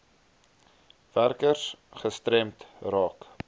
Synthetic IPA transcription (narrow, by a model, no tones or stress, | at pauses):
værkərsχəstɾɛmtrɑːk